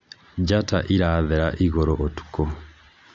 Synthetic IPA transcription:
d͡ʒata̰ʔiɾaːðɛɾaʔiɣɔɾɔʔotu̥ko

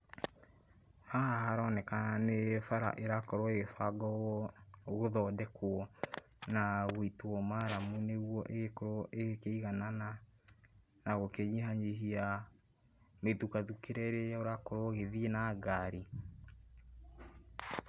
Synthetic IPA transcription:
haahaɾɔːnɛkaanefaɾa̰ʔeɾakɔɾoeɣefaɡɔwɔɣoðɔːdɛkwɔ | naɣoituɔmaɾamuneɣwɔʔeɣekoɾoʔekeiɣanana | naɣokeɲiɦaɲeɦia | metukaðukeɾɛɾejaoɾakoɾwɔɣeðienaɡaɾi

